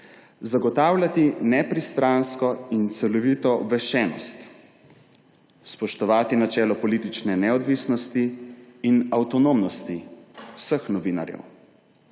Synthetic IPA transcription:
zaɡɔt̪aːwlʲat̪inɛpɾist̪ɾanskɔint̪sɛlɔʋiːt̪ɔʋɛʃɛːnɔ̰st̪ | spɔʃt̪ɔʋaːt̪inat͡ʃɛːlɔpɔlit̪it͡ʃnɛnɛɔd̪ʋisnɔst̪iːnawt̪ɔnomnɔst̪iwsəxnɔʋiːna̰ɾjɛ̰w

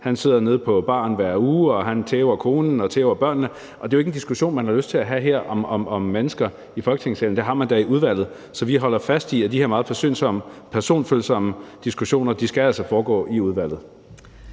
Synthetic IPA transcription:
hænse̝ð̞̰ˠɐne̝ð̞ˠpʰɒ̽b̥ɑ̰̈ːnʋæɐ̰uːɒ̽ɦænt͡sʰeːʊɐkʰo̝ːnn̩ɒ̽t͡sʰeːʊɐb̥ɶɐ̰nːə | ʔɒd̥e̝joeɡ̥n̩d̥isɡ̥uɕo̝̰ːnmænhɑ̈løsd̥t͡sʰe̝læɦæɦeɐ̰ʔɒ̽mɒmɒ̽mːenəsɡ̥ɐ | ifɒ̽lɡ̥ət͡sʰeŋseln̩d̥e̝ɦɑ̈mænd̥æiʔuð̞ˠʋæl̰ð̩ˠ | sɒ̽ʋiɦɒ̽l̰ɐfæsd̥iæd̥ihe̝ɐ̰mɑ̈ð̩ˠfʰæɐsø̰ːnsɒ̽m̰əpʰæɐso̝̰ːnfølsɒ̽məd̥isɡ̥uɕo̝̰ːnɐd̥isɡ̥æælsɒfɒːɡ̥ɔ̰ːʔiuð̞ˠʋæl̰ð̞̩ˠ

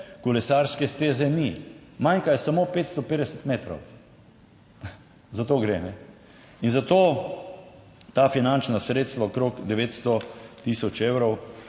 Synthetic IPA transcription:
kulɛsaɾskɛst̪eːzɛnimajŋkajɛsamoːpeːt̪st̪ɔpeːd̪ɛsɛt̪meːt̪ɾɔ̰w | zat̪oːɡɾenɛ | inzat̪oː | t̪afinant͡ʃnasɾeːt̪st̪ʋaokɾokd̪ɛʋeːt̪st̪ɔt̪isɔt͡ʃeːwɾɔw

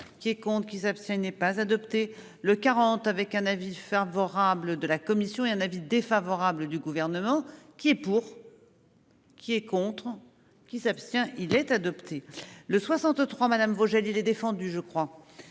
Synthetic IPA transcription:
kʲiɛkɔ̃t̪χəkʲisapst̪jɛ̃inɛpazad̪ɔpt̪e | ləkaʁɑ̃t̪avɛkɛ̃navifavɔʁabləd̪əlakɔmisjɔ̃eɛ̃navid̪efavɔʁabləd̪yɡuvɛʁnəmɑ̃kʲiɛpuʁ | kʲiɛkɔ̃t̪χ | kʲisapst̪jɛ̃ʔilɛt̪ad̪ɔpt̪ʰeləswasɑ̃t̪t̪χwamad̪amvoʒalilɛd̪efɑ̃d̪yʒəkχwa

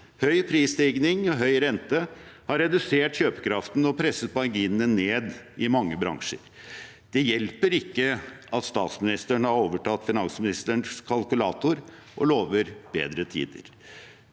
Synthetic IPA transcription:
hœʏpʰɾiːst̪ɪːɡnɪŋɔɦœʏɾɛnt̪əhɑɾɛd̪ʉseːʈçøːpə̥kʰɾɑft̪n̩ɔpʰɾɛsːət̪̚bɑɾɡiːnəneːd̪ɪmɑŋːəbɾɑ̰ŋʂə̰ɾ | d̪̥ɛjɛlpəɾɪkːəʔɑt̪st̪ɑːt̪smɪnɪst̪əɳhɑɾoːʋəʈʰɑt̪ːfɪnɑnsmɪnɪst̪əɳskʰɑlkʉlɑːt̪ʊɾʔɔ̰loːʋəɾb̥ḛːd̪ɾət̪ʰḭːd̪ə̰ɾ

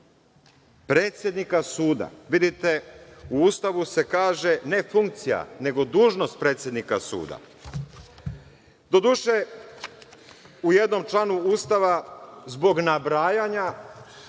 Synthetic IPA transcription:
pɾe̞ːt̪sʲje̞d̪nikasuːd̪a̰ʋid̪it̪e̞uuːst̪aʋuse̞kaːʒe̞ne̞fuŋkt̪sija̰ne̞ɡo̞d̪uːʒno̞st̪̚pɾe̞ːt̪sje̞d̪nikasṵːd̪a̰ | d̪o̞d̪uːʃe̞ | ujed̪no̞mt͡ʃlˠanuuːst̪aʋazbo̞ɡnabɾaːjaɲa

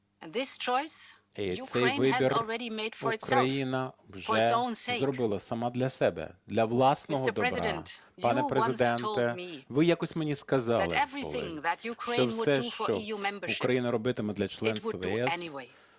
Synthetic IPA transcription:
nðɪst͡ʃɔɪs | isɛjʋɪbʲirlˠɹɛɾimeɪdfu˞ɪkɾɐjinɐwʒfɛõʊ̃nsezrɔbɪlˠɐsɐmɑd̪lʲɐsɛbɛ̰d̪lʲɐʋlˠɑsnɔɦɔd̪ɔɛbɾ̰̃ | pɑnɛpɾezɪd̪ɛnɛmiʋɪjakɔsʲmenʲiskɐzɑɪɛvɹḭlɪ̰̃ŋðətjukʰɹʃet͡ʃɔwsɛʃt͡ʃɔjumɛ̃mbə˞uʃkɾɐjinɐɾɔbɪt̪ɪmɛd̪lʲɐt͡ʃlˠɛnsɛɛsɛniweɪ

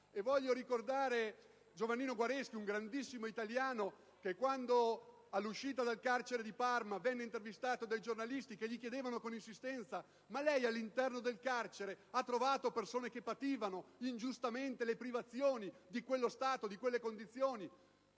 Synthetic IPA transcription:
evɔʎːoɾikord̪aːɾe | d͡ʒovanːiːnoɡwaɾɛsk̟iuŋɡɾand̪isːimoit̪aljaːno | kekːwand̪o | alːuʃːiːt̪ad̪alkart͡ʃeɾed̪iparmavɛnːeint̪ervist̪aːt̪od̪ajd͡ʒornalist̪ikeʎːikjed̪eːvanokoninsist̪ɛnt̪sa | malɛjalːint̪ɛrnod̪elkart͡ʃeɾeat̪ːɾovaːt̪opersoːnekepːat̪iːvanoind͡ʒust̪ament̪elepɾivat̪sːjoːnid̪ikwelːost̪aːt̪od̪ikwelːekond̪it̪sːjoːni

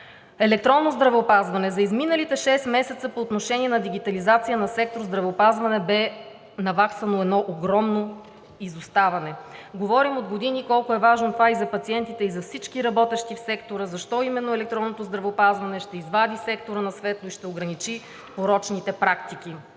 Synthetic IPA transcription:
ɛlɛk̚t̪ɾɔnːozd̪ɾɐvɛopazvɐnɛzɐizminəlit̪ɛʃɛsmɛsɛt̪səpoːt̪noʃɛniɛnɐd̪iɡit̪ɐlizat̪sijənɐsɛk̚t̪oɾzd̪ɾɐvɛopazvɐnɛbɛ | nɐvaksvɐnoɛd̪nɔʔoɡɾɔmno | izust̪avɐnɛɡovɔɾimod̪ɡod̪inikɔlˠkʊɛvaʒnot̪ovaizɐpɐt̪siɛnt̪it̪ɛizɐfsit͡ʃkiɾɐbɔt̪ɛʃt̪ifsɛkt̪oɾəzɐʃt̪ɔimɛnːoɛlɛk̚t̪ɾɔnːot̪ozd̪ɾɐvɛopazvɐnɛʃt̪ɛizvad̪isɛkt̪oɾənɐsvɛt̪lˠoiʃt̪ɛoɡɾɐnit͡ʃi | poɾɔt͡ʃnit̪ɛpɾakt̪ik̟i

